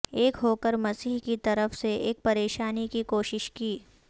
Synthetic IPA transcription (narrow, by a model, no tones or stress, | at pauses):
eːkɦoːkəɾmɐsiːɦkit̪ɐɾəfseʔeːk̚pɐɾeːʃaːnikikoːʃɪʃkiː